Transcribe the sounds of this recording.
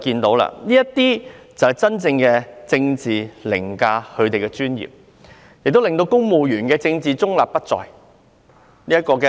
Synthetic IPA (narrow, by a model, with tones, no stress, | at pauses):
kiː˧nt̪o˨˥wla̰ː˧niː˥jɐ˥tt̪iː˥t͡sɐ˨whɐ˨˩jt͡sɐ˥nt͡sɪ˧ŋkɛː˧t͡sɪ˧ŋt͡siː˨lɪ˨˩ŋkaː˧hɵ˨˧ɥt̪e˨jkɛ˧t͡ʃyː˥njḭː˨˩p̚ | jɪ˨k̚t̪o˥wlɪ˨ŋt̪o˧wkʊ˥ŋmo˨˧wjyː˨˩nkɛː˧t͡sɪ˧ŋt͡siː˨t͡sʊ˥ŋla̰ː˨˩p̚pɐ˥t̚t͡sɔ̰ː˨j | niː˥ɐ˥t̚kɔː˧kɛ˧